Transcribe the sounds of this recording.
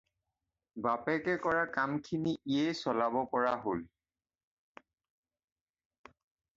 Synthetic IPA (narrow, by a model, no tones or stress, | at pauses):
bapɛkɛkɔɹakamkʰiniiejsɔlabɔpɔɹaɦol